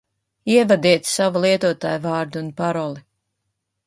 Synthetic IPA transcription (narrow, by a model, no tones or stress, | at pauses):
iɛvad̪iɛt̪ssavalˠiɛt̪uɔt̪a̰ːjvɑːɾd̪uunpaɾɔlˠi